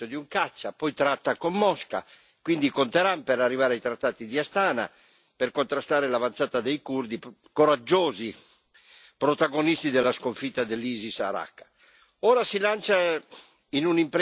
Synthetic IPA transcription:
od̪iuŋkat͡ʃːapɔjt̪ɾat̪ːakomːɔska̰ | kwind̪ikont̪ɛɾampɛɾarːivaːɾeajt̪ɾat̪ːaːt̪id̪iast̪aːna̰ | pɛrkont̪ɾast̪aːɾelavant̪saːt̪ad̪ejkurd̪i | koɾad͡ʒːɔːzi | pɾot̪aɡonist̪id̪ɛlːaskoɱfit̪ːad̪elːiːzisa̰ɾa̰kːḁ | ɔːɾasilant͡ʃa | inunimpɾ

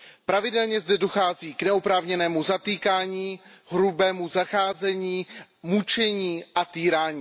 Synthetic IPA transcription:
pɾavɪdɛlɲɛzdɛdoxaːziːknɛopɾaːvɲɛnɛːmuzat̪iːkaːɲiɦɾubɛːmuzaxaːzɛɲiːmut͡ʃɛɲiːʔat̪iːɾaːɲiː

